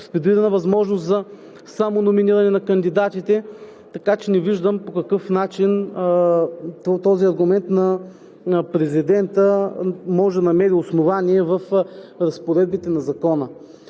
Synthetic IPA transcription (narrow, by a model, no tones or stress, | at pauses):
spɛd̪iɾɐnɐvɐzmɔʒnʊst̪zɐ | samonominiɾɐnɛnɐkɐnd̪id̪at̪it̪ɛ | t̪ɐkat͡ʃɛnɛviʒd̪əmpokɐkɤfnat͡ʃin | t̪t̪ɔziɐɾɡʊmɛnt̪nɐ | pɾɛzid̪ɛnt̪əmɔʒɛd̪ɐnɐmɛɾiosnovaniɛvɐfɾɐspoɾɛd̪̚bit̪ɛnɐzɐkɔnə